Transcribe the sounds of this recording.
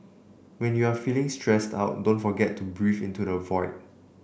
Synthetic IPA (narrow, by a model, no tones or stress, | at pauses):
wɛ̃njuafilɪ̃ŋstʰɹɛsta̰ʊt̚dõnfɔɡɛtʰːubɹifĩntudəvɔɪt̚